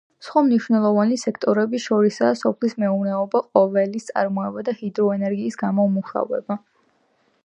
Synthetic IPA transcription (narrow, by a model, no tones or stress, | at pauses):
sχwamniʃwnɛlˠɔvanisɛkʰt̪ʼɔɾɛbiʃɔɾisaːsɔpʰlismɛuvnɛɔbaqʼɔvɛlist̪sʼa̰ɾmɔɛbad̪ahid̪ɾɔɛnɛɾɡiːsɡamɔmuχa̰vɛ̰ba